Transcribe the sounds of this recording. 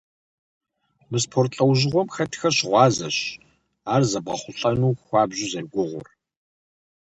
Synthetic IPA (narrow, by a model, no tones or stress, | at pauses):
mɨspʰoːrtɬʼɐwʑɪʁʷɔmxɐtʰxɐɕɪʁʷɑːzɐ̰ɕ | aːrzɐbʁɐ̰χʷʊɬʼɐnuːxʷɑːbʑɪzɐrɡʷʊʁʷʊ̰r